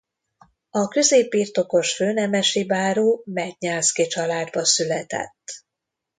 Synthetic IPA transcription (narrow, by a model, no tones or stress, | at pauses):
ɒkø̞zeːpːirt̪o̞ko̞ʃføːnɛmɛʃibaːɾoːmɛɟɲaːlskit͡ʃɒlaːd̪bɒsylɛt̪ɛ̰t̪ː